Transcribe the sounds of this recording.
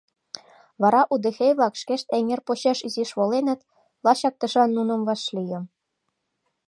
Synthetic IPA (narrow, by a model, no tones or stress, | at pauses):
βɑɾɑʔud̪ĕxʲejβlɑkʃkeʃt̪eŋerpoɕɑʃiziʃβolenə̆t̪ | lɑɕɑk̚t̪ɤ̆ʃɑnːunə̆mβɑʃlʲijə̆m